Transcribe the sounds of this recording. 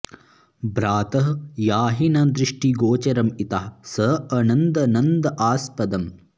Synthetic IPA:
bɾaːt̪ɐɦjaːɦinɐd̪ɾiʂʈiɡoːt͡ʃɐɾɐmit̪aɦɐsɐɐnɐnd̪ɐnɐnd̪ɐʔaːspɐd̪ɐm

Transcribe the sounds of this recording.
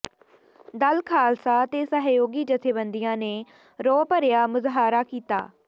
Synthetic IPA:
d̪əlkʰaːlsaːt̪eːsəɦjoːɡiːd͡ʒət̪ʰeːbənd̪ijãːneː | ɾɔːpəɾɪjaːmʊzɦaːɾaːkiːt̪a̰ː

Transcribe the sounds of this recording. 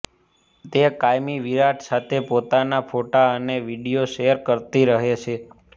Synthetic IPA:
t̪ekajmiʋiɾaʈʰsat̪ʰepot̪anafʰoʈaəneʋiɖijoʃejəɾkəɾt̪iɾəɦet͡ʃʰe

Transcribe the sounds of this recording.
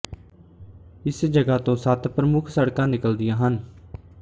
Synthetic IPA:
ɪsd͡ʒəɡaːt̪õːsət̪pɾəmʊkʰsəɽkãːnɪkəld̪ɪjãːɦən

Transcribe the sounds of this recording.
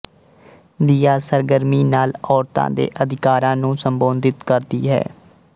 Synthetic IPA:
d̪iːjaːsəɾɡəɾmiːnaːlɔːɾt̪ã̰ːd̪ḛːʔəd̪ɪkaːɾãːnũːsəmbõːnd̪ɪt̪kəɾd̪iːɦɛ̰ː

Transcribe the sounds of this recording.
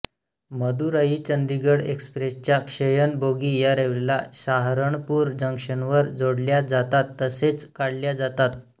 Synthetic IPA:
məd̪uɾaɦiːt͡ɕənd̪iɡəɽekspɾest͡ɕjakʂəjənboɡijaɾeʋelaɕaɦɾəɳpuːɾd͡ʑəŋkʂəɳʋəɾd͡zoɽljad͡zat̪at̪ːəset͡skaɽljad͡zat̪at̪̚

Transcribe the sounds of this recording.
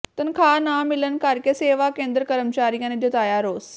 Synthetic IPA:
t̪ɐnkʰaːnaːmɪlənkaːɾkeseːʋakẽːnd̪ɾəkɐɾəmt͡ɕaːɾijaned͡ʑoːt̪aːjaːɾoːs

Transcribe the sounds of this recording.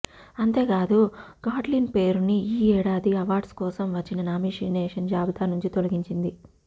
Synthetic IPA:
ɐnt̪e̞ːkaːd̪uɡaːɖlinpe̞ːɾuniiːɛːɽaːd̪iɐʋaːɾɖskɔːsɐmʋɐt͡ʃːinɐnaːmiːʂineːʂɐnd͡ʒaːbɐt̪aːnuɲt͡ʃit̪olɐɡiɲt͡ʃind̪i

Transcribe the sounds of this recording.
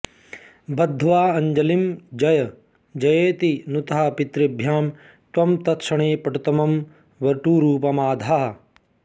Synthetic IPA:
bɐd̪ʱːʋaːɐɲd͡ʒɐlimd͡ʒɐjɐ | d͡ʒɐjeːt̪inut̪ɐɦɐpit̪ɾibʱjaːm | t̪wɐmt̪ɐt̪ʃɐɳeːpɐʈut̪ɐmɐm | ʋɐɾʈuːɾuːpɐmaːd̪ʱaɦɐ

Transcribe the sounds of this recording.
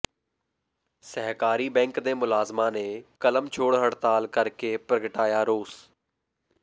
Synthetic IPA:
səɦkaːɾiːbɛ̃ːŋkd̪eːmʊlaːzmãːneːkələmt͡ʃʰoːɽɦəɽt̪aːlkəɾkeːpɾəɡəʈaːjaːɾoːs

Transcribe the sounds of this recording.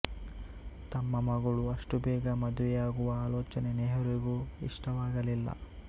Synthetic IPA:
t̪ɐmːɐmɐɡɐɭuɐʂʈubɛːɡɐmɐd̪uʋɛjaːɡuʋɐaːloːt͡ʃɐneneɦɐɾiɡuḭʂʈɐʋaːɡɐlilːɐ̰

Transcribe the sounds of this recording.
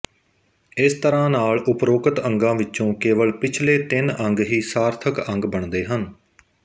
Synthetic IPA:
ɪst̪əɾãːnaːlʊpɾoːkət̪ə̃ŋɡãːʋɪt͡ʃt͡ʃõːkeːʋəɭpɪt͡ʃʰleːt̪ɪnəŋɡɦiːsaːɾt̪ʰəkə̃ŋɡbəɳd̪eːɦən

